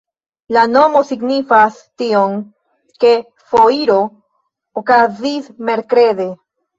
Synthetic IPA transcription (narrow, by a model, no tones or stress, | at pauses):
lano̞mo̞siɡnifas | tio̞ŋ | ke̞ | fo̞iɾoː | kazisme̞ɾkɾe̞de̞